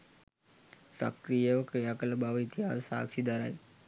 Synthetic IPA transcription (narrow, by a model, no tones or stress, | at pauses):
sa̰kɾijəʋəkɾijaːkələbaʋəit̪iɦaːsəsa̰ːkʂid̪aɾa̰j